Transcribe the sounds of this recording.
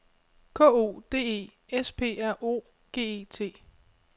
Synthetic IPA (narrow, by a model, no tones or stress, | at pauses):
kʰɔ̰ːo̝̰ːd̥e̝ːe̝̰ː | espʰe̝̰ːæɐ̰ʔo̝̰ː | ɡ̥e̝̰ːe̝ːt͡sʰe̝̰ː